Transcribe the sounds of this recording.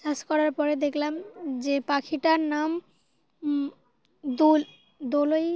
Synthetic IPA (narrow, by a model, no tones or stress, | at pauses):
ʃaʃkɔɾaɾpɔɾed̪ekʰlamd͡ʑepakʰiʈaɾnam | d̪u | d̪oloj